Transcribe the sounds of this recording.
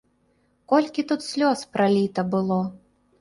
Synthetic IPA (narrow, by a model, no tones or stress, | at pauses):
kɔlʲkʲit̪ut̪sʲlʲɔspɾalʲit̪ɐbɨlˠɔ